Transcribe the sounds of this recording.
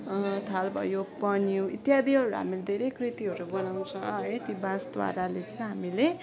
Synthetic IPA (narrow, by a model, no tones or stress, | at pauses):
t̪ʰalbʱʌ̰jopʌniũit̪jad̪ʱiɦʌɾuɦa̰miled̪ʱeɾejkrit̪iɦʌɾubʌnaw̃t͡sʰʌ̃et̪ibãsd̪wa̰ɾalet͡sʌ̃ɦamile